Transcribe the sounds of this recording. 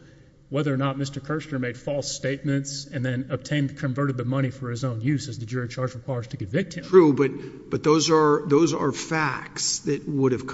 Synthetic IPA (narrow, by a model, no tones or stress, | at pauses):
wɛðə˞ənət̚mɪstə˞kʰɜ˞stə˞meɪd̥fɔlˠsteɪt̚mɨ̃ntsɨ̃nðɨ̃nəb̚tʰẽɪ̃nðkʰɨ̃ɱvɜ˞ɾɨd̪̚ðɨmʌɾ̃ifə˞ɨzõʊ̃njʉzɨzðɨd͡ʒʊɹit͡ʃʰɑɹd͡ʒə̥˞pʰaʊə˞z̥tʰɨkɨ̃ɱvɪk̚t̚hɨ̃tʰɹ̥ubʌt̚ | b̥ʌt̪̚ðoʊzə˞ðoʊzə˞fæk̚tsðɨt̚wʊɾɨv̥kʰ